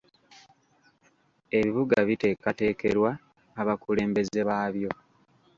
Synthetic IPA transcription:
e̞βiβuɡaβite̞ːkate̞ːke̞ɾwaː | βakule̞ːmbe̞ze̞βaːβjo̞

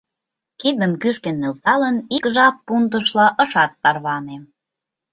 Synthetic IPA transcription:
kid̪əmkyʃk̪enːelt̪ɑlənikʒɑpːunt̪əʃlɑʔəʃɑt̪ːɑrβɑnem

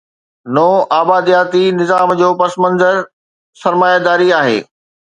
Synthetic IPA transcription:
nɔːʔaːbaːd̪ijaːt̪inɪzaːmd͡ʑoːpɐsmə̃nzəɾ | sɐɾmaːjad̪aːɾiaːɦḛː

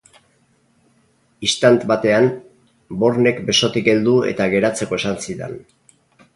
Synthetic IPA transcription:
ist̪ant̪βat̪e̞an | bo̞ɾne̞kbe̞so̞t̪ikɡe̞ld̪ue̞̰t̪aɣe̞ɾat͡se̞ko̞e̞sansiðḛn

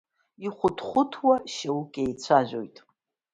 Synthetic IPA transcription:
iχʷʊtʰχʷʊtʰwaʃawukʲʼejt͡sʷʰaʒᶣʷo̰jtʼ

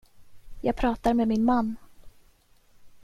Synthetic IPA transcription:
jɑːɡ̚pʰɾɑːt̪aɾmeːmɪnmanː

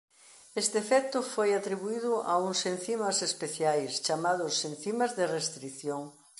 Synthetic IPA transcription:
est̪ɪfɛk̚t̪ʊfojat̪ɾiβuiðʊʔa̰uŋsẽn̟θimɐsespeθjajst͡ʃamaðʊsẽn̟θimazðerest̪ɾiθjoŋ

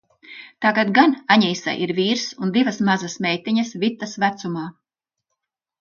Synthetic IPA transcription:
t̪aɡad̪ɡanaɲiːsa̰ʔiɾviːɾsund̪ivɐsmazasmʲɛjt̪iɲɐsvʲit̪ːasvæt̪sumaː

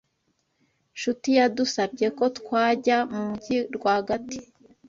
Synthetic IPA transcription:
ʃutijadusabɟe̞ko̞tkwaːɟamuɟiɾɡwahaɡati̥

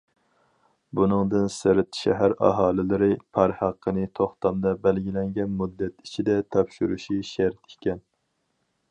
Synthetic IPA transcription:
bunɨŋd̪ɨnsɪɾɪt̪ʃæ̰ɦæɾɑ̰ɦɑːlˠɪlɪɾɪpʰɑɾhɑqʰːənɨt̪ʰoχt̪ɑmd̪ɑbælɡʲilɛŋɡʲɛnmud̪ːɛt̪it͡ʃʰid̪ɛt̪ʰɑpʃuɾuʃiʃæɾt̪ikʲɛn

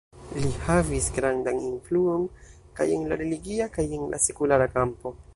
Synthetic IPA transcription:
lihavisɡɾandaninfluo̞n | kajenlaɾe̞liɡiakajenlʔa̰se̞kulaɾakampo̞

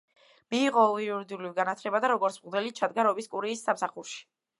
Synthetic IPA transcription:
miːʁɔiuɾid̪iulivɡanat̪ʰlɛbad̪aɾɔɡɔɾtsʰmʁd̪ɛlit̪̚t͡ʃʰad̪̚ɡaɾɔbiskʼuɾiːsːamsaχuɾʃi̥

